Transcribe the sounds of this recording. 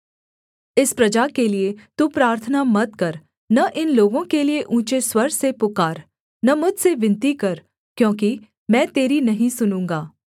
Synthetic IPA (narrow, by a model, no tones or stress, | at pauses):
ɪspɾɐd͡ʒaːkeliet̪upɾaːɾt̪ʰənamɐt̪̚kɐɾ | nɐʔɪnloːɡõkelieʔũːt͡ʃeswɐɾsepʊkaːɾ | nɐmʊd͡ʒseʋɪ̃nt̪ikɐɾ | kjõːki | mɛ̃ːt̪eːɾinɐɦĩsʊnũːŋɡaː